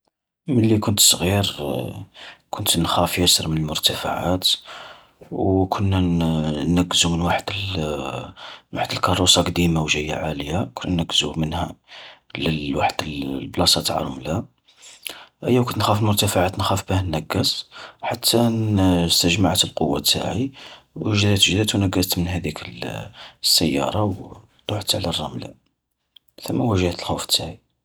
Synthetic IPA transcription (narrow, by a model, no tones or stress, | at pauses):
mənlːikʊnt̪sˤɣiɾ | kʰʊnt̪nxæfjæsəɾˤmənəlmʊɾt̪æfa̰ʕa̰t̪ | wkʰʊnːænːæɡːəzumənwaħəd̪̥l | waħəd̪əlkɑrˤːusɑqd̪imawʒəjːa̰ʕaləjakʊnːænæɡːzumənhæ̰ləwaħəd̪̥əlblɑsˤɑt̪ʕɑ̰ɾˤʊmlæ | ʔæjːæwkʊnt̪nxæfəlmʊɾt̪æfaʕat̪nxæfbəhænːæɡːæsħat̪ʰːast̪əʒmaʕt̪əlqowːa̰t̪ːa̰ʕiwəʒd̪æt̪ʒd̪æt̪wnæɡːæst̪mənhæd̪ikʰəl | sːəjːɑ̰ɾˤɑw | t̪ˤːoʕt̪ʕlærˤːɑmla̰ | θəmːæwæʒhæt̪əlxuft̪ːaʕi